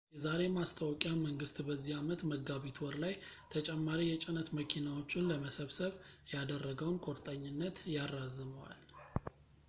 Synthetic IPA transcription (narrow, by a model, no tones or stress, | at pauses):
jɛzaɾe̞mast̪ʰəwɔkʼjaməŋɡɨst̪bəzːihamət̪məɡːaβit̪ʰwɔɾlajt̪ʰət͡ʃʼɛmːaɾijɛt͡ʃʼɪnət̪məkʰinawo̞t͡ʃːɪnləməsəβsəβjad̪ərːəɡəwnkʰʼoɾt̪ʼəɲːɪnːət̪jarːazɨməwa̰l